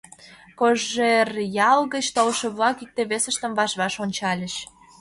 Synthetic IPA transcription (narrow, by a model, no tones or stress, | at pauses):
koʒerjɑlɣət͡ɕt̪olʃə̆βlɑkik̚t̪eβesə̆ʃt̪əmβɑʃβɑʃonʲt͡ɕɑlʲə̆ʃ